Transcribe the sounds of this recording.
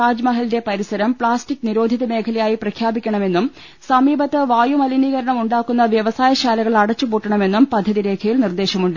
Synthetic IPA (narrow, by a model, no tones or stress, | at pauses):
aːd͡ʑmɐɦɐlide̞pɐɾisɐɾɐmpɭaːstikːniɾo̞ːd̪ʱiðɐme̞ːkʰɐlɐjaːjiprɐkʰjaːbikʲːɐɳɐme̞nːum | sɐmiːbɐt̪ːɨʋaːjumɐliniːɣɐɾɐɳɐmuɳɖaːkːun̪ːɐʋjɐʋɐsaːjɐɕaːlɐɣɐɭɐɽɐt͡ɕːupuːʈːɐɳɐme̞nːumpɐd̪ʱjɐðiɾe̞ːkʰɐjilnird̪e̞ːɕɐmuɳɖɨ